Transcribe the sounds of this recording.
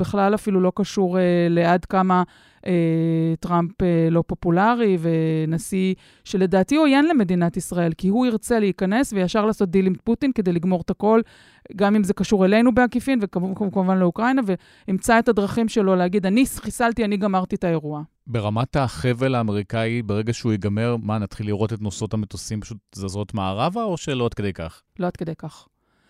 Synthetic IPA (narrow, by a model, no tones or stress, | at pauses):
b̥eχlalafilulo̞kaʃuʁele̞adkama | ʔetʁampelo̞po̞pulaʁive̞nasi | ʃe̞le̞daːtiojenle̞me̞d̪inat̪isʁae̞lkihuiʁt͡se̞leikane̞svejaʃaʁlaːso̞t̪̚d̪ilimt̪putinke̞d̪e̞jliɡmo̞ʁt̪ako̞l | ɡamimzekaʃuʁele̞jnubeakifinvekkkamuvanleukʁajnave | imt͡sae̞tadʁaχimʃe̞lo̞leaɡid̪aniχisaltianiɡamaʁt̪itae̞ʁua | be̞ʁamataχevelaːme̞ʁikaibeʁe̞ɡaʃeujiɡame̞ʁmanat̪χilːiʁo̞t̪et̪noso̞thamet̪osimpaʃutzazʁot̪maːʁavaoʃelo̞ad̥̪ke̞d̪ejka̰χ | lo̞ad̥̪̚kede̞jkaχ